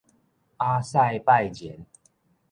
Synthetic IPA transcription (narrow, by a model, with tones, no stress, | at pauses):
a˦sa˥˧jpa˥˨jt͡ɕjɛ˨˦n